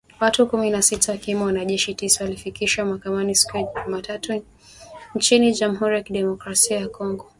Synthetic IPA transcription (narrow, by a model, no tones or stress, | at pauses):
watukuminasitawakimawanaʄɛʃitisawalifikiʃamahakamanisi̥kuɛumatatu | ɲt͡ʃiniʄam̩ɦuɾijakiɗɛmɔkɾasiajakɔŋɡɔ